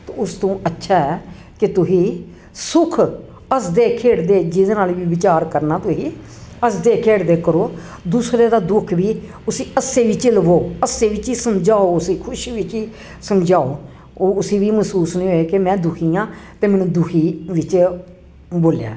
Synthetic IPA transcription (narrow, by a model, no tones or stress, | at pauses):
t̪ːʊst̪õːətːʃʰaːɦɛː | kɪt̪ʊɦĩː | sʊkʰ | əsd̪eːkʰeːɽd̪eːd͡ʒɪd̪naːlʋiːʋɪt͡ʃaːɾkəɾnaːt̪ʊɦiː | əsd̪eːkʰeːɽd̪eːkəɾoː | d̪uːsɾeːd̪aːd̪ʊkʰʋiː | ʊsiːʔəseːʋiːt͡ʃɪlʋoːəsːeːʋɪt͡ʃiːsəmd͡ʒaːoːʊsiːkʰʊʃʋɪt͡ʃiː | səmd͡ʒaːoː | oːʊsiːʋiːməsuːsnĩːɦoːeːkemɛ̃ːd̪ʊkʰiːãːt̪eːmɛːnũːd̪ʊkʰiːʋɪt͡ʃ | boːlja̰ː